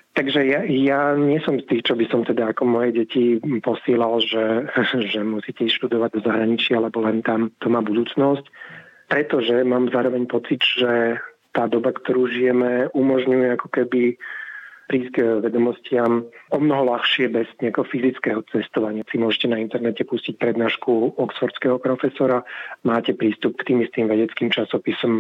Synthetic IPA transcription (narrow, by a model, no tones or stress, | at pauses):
t̪aɡʒɛjajaɲɪɛsɔmst̪iːxt͡ʃɔbisɔmt̪ɛd̪aːkɔmɔjɛɟɛcipɔsɪɛlalʒɛʒɛmusiːcɛisʃt̪ud̪ɔʋaɟ̚d̪ɔzaɦɾaɲit͡ʃɪaalɛbɔlɛnt̪amt̪ɔmaːbud̪uːt͡snɔscpɾɛt̪ɔʒɛmaːmzaːɾɔʋɛɲpɔt͡sid̪ʒɛ | t̪aːd̪ɔbakt̪ɔɾuːʒijɛmɛumɔʒɲujɛakɔ̥kɛbi | pɾiːzʋɛd̪ɔmɔscɪamɔmnɔɦɔlaxʃɪɛbɛz̥ɲɛakɛɦɔfizit͡skɛɦɔt͡sɛst̪ɔʋaɲɪasimʊɔʒɛcɛnaint̪ɛɾnɛcɛpuscic̚pɾɛd̪naːʃkuɔksfɔɾt͡skɛɦɔpɾɔfɛsɔɾamaːcɛpɾiːst̪up̚kt̪iːmist̪iːmʋɛɟɛt͡skiːmt͡ʃasɔpisɔm